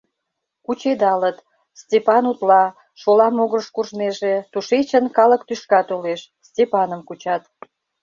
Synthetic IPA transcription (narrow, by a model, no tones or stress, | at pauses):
kut͡ɕed̪ɑlət̪ | stʲepɑnut̪lɑ | ʃolɑmoɣrəʃkuʒneʒet̪uʃet͡ɕənkɑləkt̪yʃkɑt̪oleʃ | stʲepɑnəmkut͡ɕɑt̪